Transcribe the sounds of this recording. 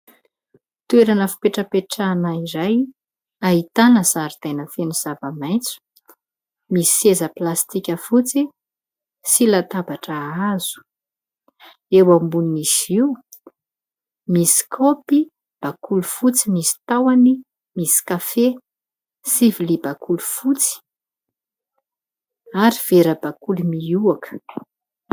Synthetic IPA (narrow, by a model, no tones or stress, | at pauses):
t̪ueɾanəfi̥peʈ͡ʂəpeʈ͡ʂanaiɾaj | aɦit̪anəzaɾid̪̥ajnəfeniz̥avamajnt͡su̥ | misiezəplast̪ikʲəfut͡si | silat̪abaʈ͡ʂəaz̥u̥ | ewambuniisiw | misi̥kʰopi | b̥akulufut͡simisi̥t̪awani | misi̥kafe | sivilibakulufut͡si̥ | aɾiv̥eɾəbakulumiuakə̥